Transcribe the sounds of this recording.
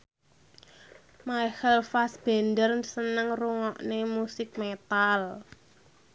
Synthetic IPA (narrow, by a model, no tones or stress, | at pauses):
maihəlfasb̥ɛ̤ndərsənəŋruŋɔʔnemusɪk̚met̪al